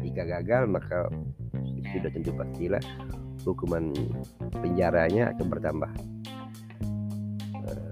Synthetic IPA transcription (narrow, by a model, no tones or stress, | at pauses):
dikaɡaɡalmaka | it̪udaht̪ənt̪upast̪ila̰hhukuman | pəɲd͡ʒaɾaɲaa̰kanbərt̪ambah | ə̰